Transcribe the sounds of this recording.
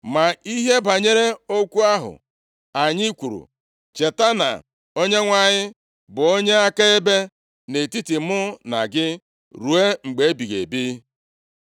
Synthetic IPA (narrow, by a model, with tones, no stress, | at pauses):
ma˨i˦ɦe˦ba˨ɲe˦ɾe˦o˦kʷu˦a˦ɦʊ̰˨ | a˨ɲɪ˦kʷu˨ɾṵ˨ | t͡ʃe˨ta˦na̰˨ | o˦ɲe˦ŋʷa˨ɲɪ˦ | bʊ˨o˦ɲe˦a˦ka˦e˦be˦ | ne˨ti˦ti˨mʊ˦na̰˨ɡɪ˦ | ɾu˨e˦ŋ͡m̩˨ɡ͡be˨e˦bi˨ɣḛ˨bi˦